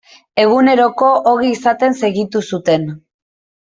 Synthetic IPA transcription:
e̞ɣ̞une̞ɾo̞ko̞ʔoɣiːsat̪e̞nse̞ɣit̪usut̪e̞n

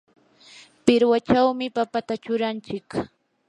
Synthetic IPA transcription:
pɪɾwat͡ʃawmɪpapat̪at͡ʃʊɾant͡ʃɪk

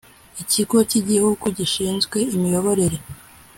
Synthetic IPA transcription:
iciɡo̞ciɟihuɡuɟiʃiːnzɡwe̞imijo̞βo̞ɾe̞ɾe̞

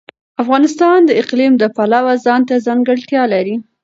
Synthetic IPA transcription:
afɣɑnɪst̪ɑnd̪əɪqlimd̪əpalawazɑnt̪azɑŋɡəɽt̪jɑlaɾi

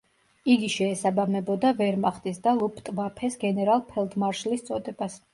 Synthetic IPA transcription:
iɡiʃɛːsabamɛbɔd̪avɛɾmaχt̪ʼisd̪alˠupʰʼt̪ʼvapʰɛsɡɛnɛɾalˠpʰɛlˠd̪maɾʃlist̪sʼɔd̪ɛbas

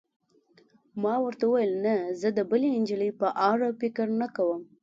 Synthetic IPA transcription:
mɑwəɾt̪awuwajəlnazəd̪əbəleɪnd͡ʒələjpəʔɑɾapɪkəɾnakawəm

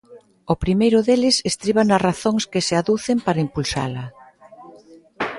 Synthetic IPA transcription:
ʊpɾimejɾʊðelɪsest̪ɾiβanɐraθoŋskɪseaðuθempaɾɐimpulsa̰lɐ

